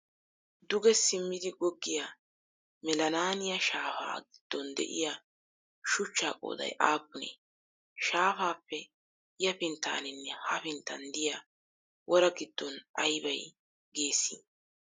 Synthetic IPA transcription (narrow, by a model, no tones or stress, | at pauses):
d̪ʊɡɛsɪmːɪd̪ɪɡɔɡːɪja | mɛlɐnaːnɪjɐʃaːfa̰ːɡɪd̪̥ːɔnd̪ɛ̰ʔɪ̰ja | ʃʊt͡ʃːaːkʼo̰ːd̪ɐ̰jʔaːk̚ʼːʊnḛː | ʃaːfaːpːɛ | jɐpɪnt̪ːa̰ːnɪnːɛhɐfɪnt̪ːɐnd̪ɪjɐ | wɔɾɐɡɪd̪̥ːɔnʔɐjbɐj | ɡeːsːi